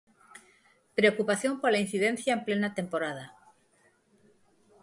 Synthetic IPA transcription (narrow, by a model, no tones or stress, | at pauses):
pɾe̞okupaθjo̞mpolain̟θiðẽ̞n̟θjaemple̞nat̪e̞mpo̞ɾað̞a